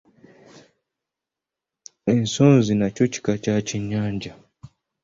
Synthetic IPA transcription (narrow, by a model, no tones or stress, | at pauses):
in̩sɔnzinat͡ʃɔt͡ʃi̥kat͡ʃat͡ʃiɲaɲd͡ʒa